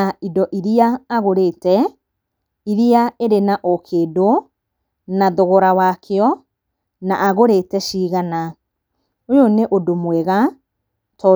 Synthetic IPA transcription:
aidɔʔiɾiaːɣoɾetɛ | iɾiaeɾenaʔɔkʰeːdo | naðɔɣɔɾawakʰeɔ | na̰ʔaɣoɾeːtɛʃiːɣana | ojoneʔodomwɛɣa | tɔ

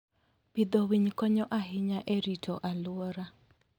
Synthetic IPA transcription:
pɪd̪ɔwiɲkɔɲɔʔaɦɪɲaʔɛɾitʰɔʔalʊɔɾa

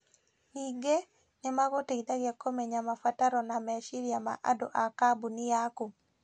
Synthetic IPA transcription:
iɡe | nɛmaɡoteɡdaɡɪakːomeɲamafataɾɔnamɛʃiɾjama̰ʔa̰do̰ʔakabunɪjaku

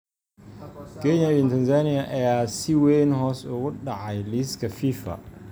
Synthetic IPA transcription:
keɲavintanzaniaʔɛjasiwenhɔːsʊɡʊɗaʕajliskɐfifa̰

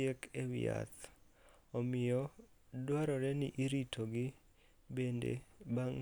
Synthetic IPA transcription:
ekʰewɪ̰a̰t̪ | omɪjɔdwaɾɔɾɛnɪʔiɾitʰoɡɪ | bendḛbaŋ

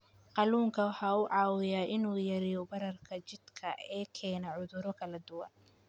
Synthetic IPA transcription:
qɑluːŋkʰɐwɑħɑːʊʕɑːwɪjaːʔɪnuːjɐɾɪjɔbɐɾɐrkʰɐt͡ʃɪd̪kʰɐʔɛːkʰɛːnɐʕʊðʊɾɔkʰɐlɐd̪ʊwɐ̰n

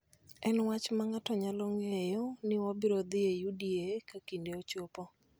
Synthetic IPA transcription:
ɛnwat͡ʃmaŋatɔɲaloŋejɔnɪɔbɪɾod̪ɪejudiekakindeot͡ʃopɔ

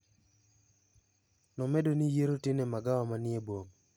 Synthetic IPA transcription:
nɔmɛdonijeɾotɪnemaɡawamanɪebwoŋ

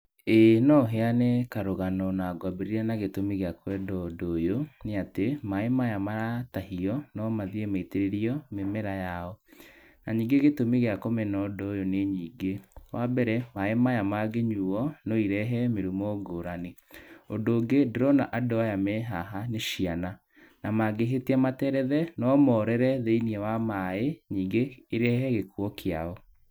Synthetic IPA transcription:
enɔɦeanɛkaɾoɣanɔnaɡwabeɾiɾɛnaɣetomiɣeakwɛdɔdojoneatemaemajamaɾatahiɔnɔmaðiemaiteɾeɾiɔmemɛɾajaɔ | naɲiːŋɡeɣetomiɣeakomɛnɔdɔjoneɲiːɡewʔabɛɾɛmaemajamaɡeɲuɔnoiɾɛɦɛmeɾumɔɡoɾaneondoːɡedɾɔnaʔadoajamɛɦaɦaneʃiana | namaɡeɦeteamatɛɾɛðɛnɔmɔɾɛɾɛðeiniɛwamaeɲiːŋɡeːɾɛɦɛɣekwɔkʰeaɔ

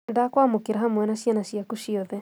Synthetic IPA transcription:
dakwamokeɾaɦamwɛnaʃianaʃiakuʃiɔðɛ

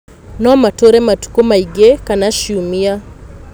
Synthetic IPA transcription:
nɔmatoɾɛmatu̥kɔmaiɡekanaʃiumia

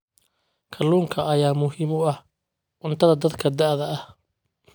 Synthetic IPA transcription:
kʰɐluːŋkʰɐɐjaːmʊɦiːmʊɐh | ʔʊnt̪ʰɐðɐd̪ɐd̪kʰɐd̪ɐʕðɐɐh

